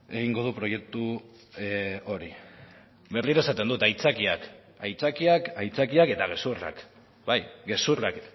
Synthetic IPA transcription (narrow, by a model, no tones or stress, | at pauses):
e̞ɣiŋɡo̞ð̞upɾo̞je̞k̚t̪u | o̞ɾi | be̞rliɾae̞sat̪e̞nd̪ut̪ajt͡sakiak | ajt͡sakiakajt͡sakiake̞t̪aɣ̞e̞sura̰k | bajɡe̞surak